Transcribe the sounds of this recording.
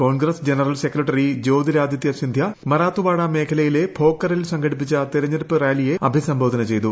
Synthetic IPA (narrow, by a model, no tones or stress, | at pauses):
ko̞ːnɡrɐsd͡ʑenɐrɐlsekrɐʈːɐrid͡ʑo̞ːd̪iɾaːd̪jɐt̪jɐsind̪ʱjɐmɐɾaːt̪ːubaːɽɐme̞ːkʰɐlɐjile̞bʱo̞ːkːɐrilsɐŋɡɐɽip̬ːit͡ɕːɐt̪iɾɐɲːɐɾpːɨraːlijeɐbʱisɐmbʱo̞ːd̪ʱɐnɐt͡ɕejt̪u